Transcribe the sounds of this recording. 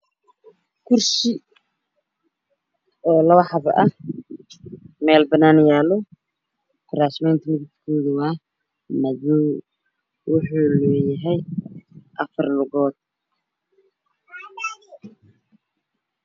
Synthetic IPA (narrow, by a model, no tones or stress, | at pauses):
kʰʊrʃɪ | ɔːlɐwɑħɑβɐ̰ʔɐ | mɛːlbɐnaːnɪjaːlɔ | t̪ʰɾaːsmɛjnt̪ʰmɪðɪt̪kʰoːðʊwɑː | nɐðɔw | wʊħuːlɔːjɪɦɛj | ʔɐfɐrlʊɣɔːd̪̥̚